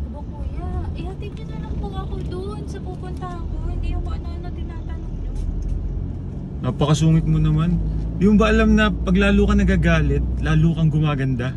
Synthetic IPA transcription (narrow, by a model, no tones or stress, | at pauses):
bokoːjaʔɪhɐt̪id̪̚ɐnɐlɐŋpɐɡakʊld̪oʔonsɐpupʊnt̪ɐɐkonɪjʊŋmɐʔɐnoʔnɐt̪ɪnaːt̪ɐnoɡ̚ɲo | napɐkɐsuːŋɪt̪̚monɐmanjʊŋbɐʔɐlamnɐpɐɡlaːlukɐnɐɡaːɡaːlɛt̪̚laːlukɐŋɡʊmaːɡɐnd̪a